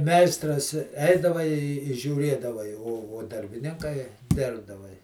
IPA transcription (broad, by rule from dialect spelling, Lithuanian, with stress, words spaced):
ˈmʲɛɪstrɐs ˈɛɪdɐʋɐ ɪ ʒʲuːˈrʲeːdɐʋɐ ɪ oː oː dɐrʲbʲɪˈnʲɪŋkɐɪ ˈdʲɪrbdɐʋɐ ɪ